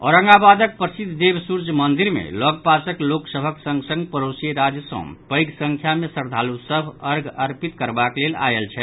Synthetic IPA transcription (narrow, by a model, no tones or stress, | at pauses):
ɔ̰ɾəŋɡabad̪ək̚pɾəsid̪ʱd̪ebsuɾd͡ʒmənd̪iɾmḛlɔɡpasəkloksəbʱəksə̃ŋɡsə̃ŋɡpəɾosieɾad͡ʒjəsə̰̃pəjɡsə̃ŋkʰjamesəɾd̪ʱalusəbʱəɾɡəɾpit̪kəɾbaklela̰jelt͡ʃʰɛ